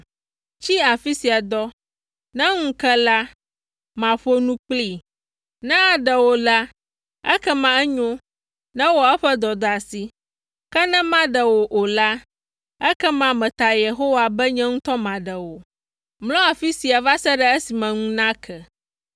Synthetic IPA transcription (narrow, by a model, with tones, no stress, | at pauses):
t͡ɕi˦a˨fi˦si˨a˨d̪ɔ˦ | nɛ̃˦ŋũ˦kɛ˦la˦ | mã˨ɸo˦nũ˦k͡pli˦˨ | nɛ̃˦a˨ɖɛ˨wo˨la˦ | ɛ̰˦kɛ˦mã˨ɛ˦ɲõ˦ | nɛ̃˦wɔ˨˦ɛ˦ɸɛ˦d̪ɔ˨d̪a˨si˨ | kɛ˦nɛ̃˦mã˦ɖɛ˨wo˨ʔo˨la˦ | ɛ˦kɛ˦mã˨mɛ̃˨t̪a˨je˨ɦo˦wa˨bɛ˦ɲɛ̃˦ŋũ˦t̪ɔ˦mã˨ɖɛ˨wo˨ | mlɔ̃˦a˨fi˦si˨a˨va˦sɛ˦ɖɛ˦ɛ˦si˨mɛ̃˨ŋũ˦nã˦kʰɛ˨